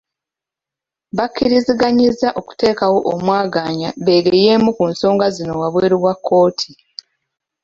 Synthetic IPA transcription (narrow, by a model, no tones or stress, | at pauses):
βacːiɾiziɡaɲizaʔo̞ku̥te̞ːkawo̞ʔomwaːɡaːɲaβe̞ːɡeje̞ːmukunso̞ːŋɡazino̞waβwe̞ːɾiβwakʰːo̞ːtʰi̥